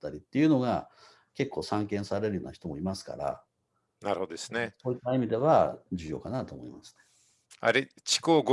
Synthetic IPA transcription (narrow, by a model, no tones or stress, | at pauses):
t̪ːaɾʲit̪ːe̞iɯ̟no̞ɡa̰ | ke̞kːo̞ːsãŋkẽ̞ɰ̃saɾe̞ɾɯjoːnaçi̥t̪omo̞imasɨ̥ka̰ɾa̰ | naɾɯhod̪oesɨneso̞ːit̪ːaimʲid̪e̞βad͡ʑɨːjo̞̰ːkanat̪o̞ːmo̞imasɨ̥ne | a̰ɾe | t͡ɕi̥koːɡ